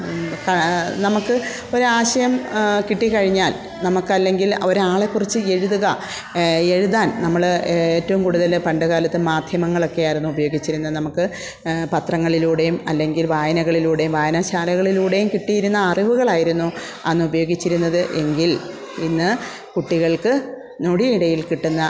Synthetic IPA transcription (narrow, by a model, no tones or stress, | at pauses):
kɐnɐmukːɨ | o̞ɾaːɕɐjɐmkiʈːikɐɻiɲːaːl | nɐmukːɐlːe̞ŋɡilo̞ɾaːɭe̞kːurit͡ɕːɨe̞ɻuðuɣɐ | e̞ɻuðaːnnɐmːɐɭeːtːɐʋumkuːɽuðɐlpɐɳɖɐɣaːlɐt̪ːɨmaːd̪ʱjɐmɐŋːɐɭo̞kːe̞jaːjiɾunːuubɐjo̞ːɡit͡ɕːiɾunːɐnɐmukːɨ | pɐt̪rɐŋːɐɭiluːɽe̞jumɐlːe̞ŋɡilʋaːjɐnɐɣɐɭiluːɽe̞jumʋaːjɐnaːɕaːɾɐɣɐɭiluːɽe̞jumkiʈːijiɾunːɐːriʋuɣɐɭaːjiɾunːu | ɐnːɨubɐjo̞ːɡit͡ɕːiɾunːɐðɨʔe̞ŋɡil | inːɨ | kuʈːiɣɐɭkɨ | noɽiiɽɐjilkiʈːunːɐ